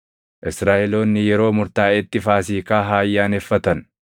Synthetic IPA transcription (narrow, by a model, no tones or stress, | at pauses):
ʔɪsɾaːʔɛlo̞ːnːɪjɛɾo̞ːmʊɾt̪aːɛt̪ːɪfaːs̬iːkaːɦaːjːaːnɛfːɐt̪ɐn